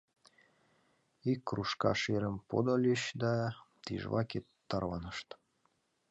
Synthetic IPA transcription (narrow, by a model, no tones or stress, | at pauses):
ikːruʃkɑ̰ʃeɾəmpo̰d̪olʲiɕd̪ɑt̪iʒβɑket̪ːɑrɑnəʃt̪